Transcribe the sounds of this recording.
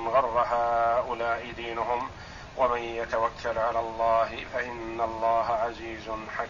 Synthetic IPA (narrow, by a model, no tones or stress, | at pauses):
nɣɑrˤːɑɦaːʔʊlaːʔɪd̪iːnʊɦʊm | wamanjat̪awakʰːalʕalaːlˤːɑːɦɪfaʔɪnːalˤːɑːɦaʕaziːzʊnħa